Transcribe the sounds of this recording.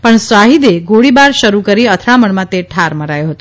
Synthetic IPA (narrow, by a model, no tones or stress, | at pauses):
pəɳsʋaɦid̪eɡoɽibaɾʃəɾukəɾiət̪ʰɾaməɳmãt̪eʈʰaɾməɾajõɦət̪o̥